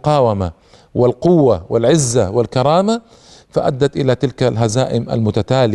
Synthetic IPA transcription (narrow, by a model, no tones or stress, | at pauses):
qɑːwama | wɪlqʊwːawɪlʕɪzːawɪlkɑɾˤɑːma | faʔa̰d̪ːat̪ʔɪlat̪ɪlkalɦazaːʔɪma̰lmʊt̪at̪aːlɪ